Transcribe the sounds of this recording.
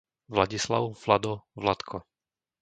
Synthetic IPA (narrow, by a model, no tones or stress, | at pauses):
ʋlaɟisla̰ʊflad̪ɔvlat̪kʰɔ